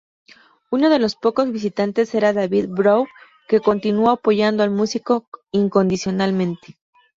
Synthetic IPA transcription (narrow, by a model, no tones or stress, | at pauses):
uno̞ð̞e̞lo̞spo̞ko̞zβis̬it̪ant̪e̞se̞ɾaðaβiðbɾow | ke̞ko̞nt̪inuoapo̞ʝand̪oalmusiko̞iŋko̞nd̪isjo̞nalmẽ̞nt̪e̥